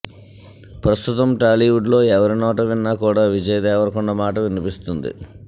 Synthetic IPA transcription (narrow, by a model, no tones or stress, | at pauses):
pɾɐst̪ut̪ɐmʈaːliʋuɖlo̞ːɛʋɐɾinɔːʈɐʋinːaːkuːɽaːʋid͡ʒɐjɐd̪ɛːʋɐɾɐkuɳːɐmaːʈɐʋinipist̪und̪ḭ